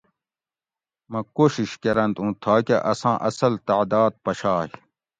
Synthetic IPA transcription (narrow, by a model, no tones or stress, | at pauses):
mɐ̃koːɕiɕkɐɾɐ̃nt̪ũːt̪ʰaːkeʔɐsãːʔɐsɐlt̪aʕd̪aːd̪̚pɐɕaːɦi